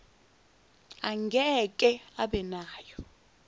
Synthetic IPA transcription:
aŋɡʱɛkʼɛaɓɛnaːjɔ

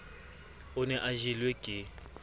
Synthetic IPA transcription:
ʊnɛʔaʒilwekʼɪ

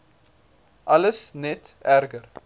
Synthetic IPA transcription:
ʔɐləsnɛtæɾɡər

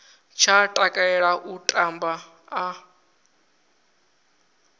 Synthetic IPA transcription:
t͡ʃʰatʼakʼaɛɺaʔutʼambaː

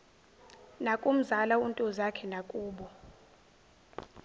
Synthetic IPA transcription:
nakʼum̩zalauntʼɔzakʰɛnakʼuːɓɔ

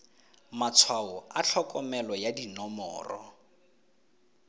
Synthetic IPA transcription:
mat͡sʰwaʊat͡ɬʰɔkʼɔmɛlɔjadinɔmɔ̰ːrɔ̰

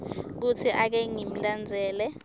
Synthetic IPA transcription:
k̬ut͡sʰiʔak̬ɛŋim̩land͡zʱɛːlɛ

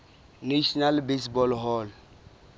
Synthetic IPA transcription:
neʃɔnalbesbɔlɦɔl

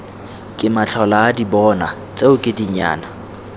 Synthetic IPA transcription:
kʼɪmaɬʰɔlaːdibɔna | t͡sʼeʊkʼɪdiɲa̰ːna

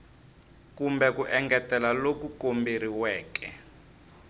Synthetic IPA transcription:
kumbɛkuʔɛŋɡɛtɛlalokukombeɾiwɛːkɛ̰

